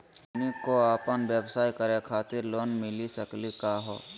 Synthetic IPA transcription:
nikoaːpənʋjebsaːikəɾekʰaːt̪ɪɾloːnmɪlisəklikaɦo̰ː

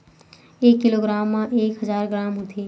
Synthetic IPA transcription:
eːkːɪloːɡɾaːmːãʔeːkɦəzaːɾɡɾaːmɦot̪ʰeː

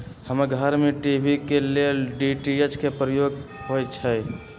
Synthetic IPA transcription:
həməɾɡʱəɾmeʈibʱikeleɖiʈiet͡ʃkepɾəjoɡɦojt͡ʃʰə

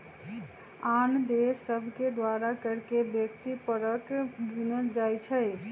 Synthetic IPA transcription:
and̪esːəbʱked̪ʋaɾakəɾkebjəkt̪ipəɾəkɡinəld͡ʒajt͡ʃʰəj

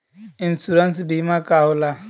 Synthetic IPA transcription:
ɪ̃nsuɾansbimakaola

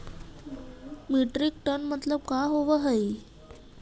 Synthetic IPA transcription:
miʈɾik̚ʈənmət̪ləb̚kaɦoʋəɦəj

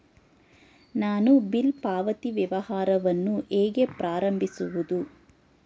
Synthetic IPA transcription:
naːnubilpaːʋɐt̪iʋjɐʋɐhaːɾɐʋɐnːuʔeːɡepɾaːɾɐmbʱisuʋud̪u

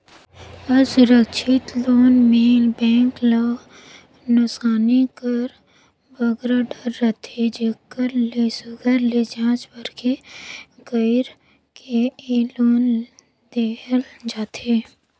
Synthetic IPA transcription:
əsʊɾəkʃɪt̪loːnmeːlbɛ̃ːŋkla | nʊsaːnikəɾ | bəɡɾaɖəɾːət̪ʰed͡ʒekkːəɾlesʊɡəɾled͡ʒãːt͡ʃbəɾkeɡəɪɾ | keeloːn | d̪eːəld͡ʒaːt̪ʰe

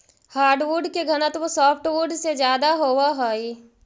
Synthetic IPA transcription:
haːɾɖʋuɾɖkeɡʱəñət̪ʋosɔːpʰʈʋuɾɖsed͡ʒjaːd̪aɦoːʋaɦoːi

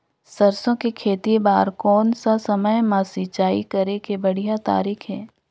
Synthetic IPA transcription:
sɐɾsõkikʰeːt̪ibaːɾkɔːnsasɐməjmãːsit͡ʃaːḭkɐɾekebɐɽ̤ijat̪a̰ːɾiːkʰɦɛː

